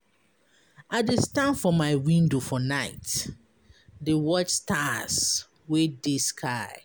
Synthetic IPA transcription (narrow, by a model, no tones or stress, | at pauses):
adestãnfɔmaɪwĩndofɔnaɪt | dewɔt͡ʃstʰas | wedeskʰaɪ